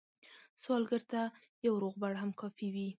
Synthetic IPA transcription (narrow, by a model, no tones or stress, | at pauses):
swɑlɡəɾt̪a | jawɾoɣbaɽɦamkɑfiwi